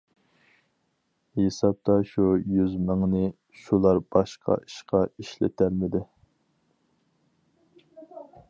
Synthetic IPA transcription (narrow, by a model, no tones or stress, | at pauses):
esɑp̚t̪ʰɑʃujyzməŋnɨ | ʃulˠɑɾbɑʃqʰɑ̰i̥ʃqɑiʃlɪ̰t̪ʰæɾmɪd̪ɪ